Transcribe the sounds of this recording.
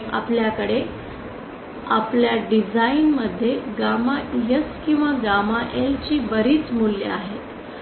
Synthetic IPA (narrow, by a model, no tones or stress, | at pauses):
a̰pljakəɽe | a̰pljaɖid͡zainməd̪ʱːjeɡamajəskĩw̃ʋaɡamaʔelt͡ɕiːʋəɾiːt͡smuljə̰aɦet̪